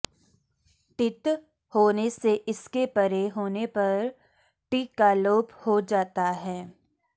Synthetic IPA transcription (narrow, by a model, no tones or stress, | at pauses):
ʈɪt̪ | hoːneseʔɪskepɐɾeɦoːnepɐɾ | ʈiːkaloːphod͡ʒaːt̪aɦɛː